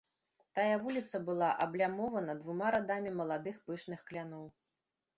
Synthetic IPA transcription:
t̪ajɛvulʲit̪sɐbɨlˠaʔɐblʲamɔvɐnɐd̪vumaɾad̪amʲimɐlˠad̪ɨxpɨʂnɨxklʲanɔw

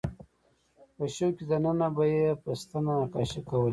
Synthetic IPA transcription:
pəʃəwkid̪anənabajepəst̪anakɑʃikawəl

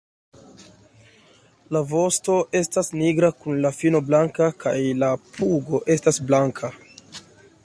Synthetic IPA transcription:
lavo̞sto̞ʔe̞stasniɡɾakunlafino̞blaŋkakajlapuɡo̞ʔe̞stasblaŋkʰa

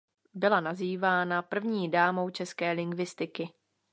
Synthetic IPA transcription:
bɪlanaziːvaːnapr̩vɲiːdaːmo̞wt͡ʃɛskɛːlɪŋɡvɪst̪ɪkɪ

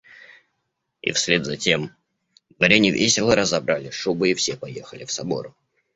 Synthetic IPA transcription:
ḭfsʲlʲed̪zɐtʲe̞m | d̪vɐɾʲenʲɪvʲesʲɪlˠəɾəzɐbɾalʲɪʂubɨifsʲepɐjexəlʲɪfsɐbo̞̰ɾʊ

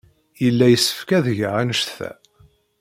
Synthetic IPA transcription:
jəlːæjəsːə̥fkæðʝʕanəʃθæ̰

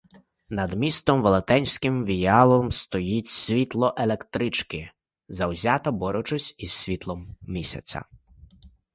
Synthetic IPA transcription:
nɐd̪mʲist̪ɔmʋɔlˠet̪ɛnʲsʲkɪmʋʲijɑlˠɔmst̪ɔjitʲsʲʋʲit̪lˠɔʔelˠekt̪ɾɪt͡ʃkɪ | zɐwzʲat̪ɐbɔɾɔt͡ʃʊsʲiz̥sʲʋʲit̪lˠɔmːʲisʲɐ̰t͡sʲɐ̰

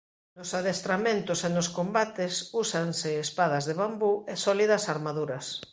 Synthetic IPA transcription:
nosaðest̪ɾamẽnt̪ʊsenoskombat̪esusanseːspaðɐzðeβ̞ambuesɔliðɐsaɾmaðuɾɐs

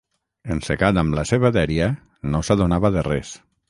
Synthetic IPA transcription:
ensekat̪amlaseβaðɛɾia | nosaðonaβəðerɛs

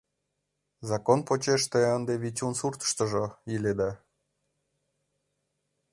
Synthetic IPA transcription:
zɑkonpot͡ɕeʃt̪eənd̪eβit͡ɕunsurt̪ə̥ʃt̪ə̆ʒoiled̪ɑ

